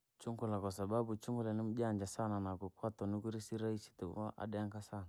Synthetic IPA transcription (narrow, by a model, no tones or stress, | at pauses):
t͡ʃuŋɡulakɔsababut͡ʃuŋɡulanɪmd͡ʒand͡ʒasananaɡukwatɔnuɡuɾisiɾait͡ʃi̥tɪb̰aʔa̰dɛaŋkasan